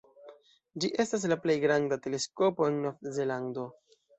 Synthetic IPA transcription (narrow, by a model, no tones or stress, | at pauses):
d͡ʒiʔe̞stas̬laple̞jɡɾandate̞le̞sko̞poenːoze̞lando̞